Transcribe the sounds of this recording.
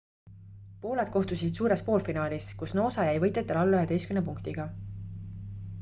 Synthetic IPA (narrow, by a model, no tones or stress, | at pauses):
po̞ːled̪̥ko̞ht̪usid̪̥suːɾe̞spo̞ːlfinɑːlʲiskusno̞ːsɑjæjvɤjt̪ːˑet̪ːˑelɑlːyhet̪e̞jskynepuŋkt̪iɡ̥ɑ